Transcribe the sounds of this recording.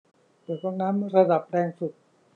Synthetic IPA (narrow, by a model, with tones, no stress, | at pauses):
pɤː˨˩t̪̚ːɔ˥˩ŋnaː˦˥mɾa˧da˨˩p̚ɾɛː˧ŋsu˨˩t̪̚